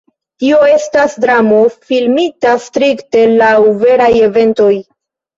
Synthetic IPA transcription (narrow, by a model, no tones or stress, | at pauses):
tio̞e̞stasdɾamo̞filmitastɾikte̞lawve̞ɾaje̞ve̞nto̞j